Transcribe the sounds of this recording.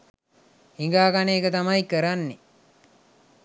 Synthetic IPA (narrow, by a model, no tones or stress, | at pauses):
iŋɡaːkaneːkət̪amaikəɾanːe